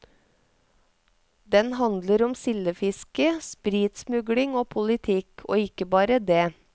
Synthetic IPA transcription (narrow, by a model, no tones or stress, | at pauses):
d̪ɛnhɑnd̪ləɾɔmsɪləfɪskəspɾiːt̪smʉɡlɪŋoːpʰʊlɪt̪ʰɪkʰo̰ːɪkəbɑːɾəd̪eː